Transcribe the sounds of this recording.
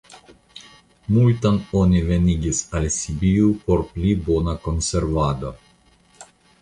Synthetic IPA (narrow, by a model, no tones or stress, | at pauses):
mult̪anonʲivenʲiɡʲisalsibiupoɾplibonakonseɾvad̪o